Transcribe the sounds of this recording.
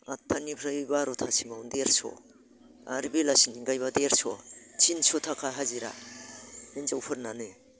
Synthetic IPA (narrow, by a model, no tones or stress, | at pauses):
a̰tʰːanipʰɾabaɾotʰasiŋaundeɾsɔ̰ | a̰ɾbilasiŋiɡajbadeɾsɔt͡ʃʰinsotʰakʰaɦaziɾa̰ | nenzawpʰɯɾnanɯ